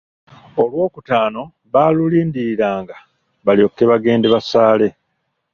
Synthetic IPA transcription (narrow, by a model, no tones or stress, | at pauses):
o̞lwo̞ːkutaːno̞ | βaːluliːndiiɾaːŋɡa | βaljo̞kːe̞βaɡe̞ːndeβasaːle̞